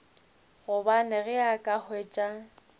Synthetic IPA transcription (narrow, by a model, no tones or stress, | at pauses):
ɣʊbanɪɣɪakʼahʊeːt͡ʃʼa